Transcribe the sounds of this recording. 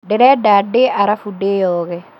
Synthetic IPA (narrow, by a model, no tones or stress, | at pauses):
dɛɾɛdadeʔaɾafudejɔːɣɛ